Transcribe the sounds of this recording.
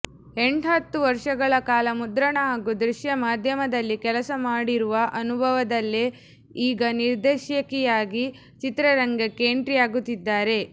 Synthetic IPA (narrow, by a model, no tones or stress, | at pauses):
e̞ɳɖɦɐt̪ːuʋɐɾʂɐɡɐɭɐkaːlɐmud̪ɾɐɳɐɦaːɡud̪ɾiʃjɐmaːd̪ʱjɐmɐd̪ɐlːikɛlɐsɐmaːɽiɾuʋɐʔɐnubʱɐʋɐd̪ɐlːe | iːɡɐniɾd̪eːʃjɐkɛjaːɡi | t͡ʃit̪ɾɐɾɐŋɡɐkːeːɳʈɾijaːɡut̪ːid̪ːaːɾe̞